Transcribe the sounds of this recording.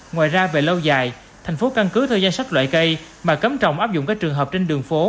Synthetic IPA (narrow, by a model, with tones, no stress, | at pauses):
ŋwa̰ː˧˨jzaː˧ve˨˩lə˧wzaː˨˩j | t̪ʰɛ˨˩j̟fo˨˦ka˧nkɨ˨˦t̪ʰəː˨˩jzaː˧nsa˦˥k̟̚lwa̰ː˧˨jkə˧j | maː˨˩kə˨˦mt͡ɕɔ̰˧˨wŋ͡mʔaː˦˥p̚zʊ̰˧˨ŋ͡mkaː˦˥k̚t͡ɕɨ˨˩əŋɦəː˨˩p̚t͡ɕe˧nɗɨ˨˩əŋfo˨˦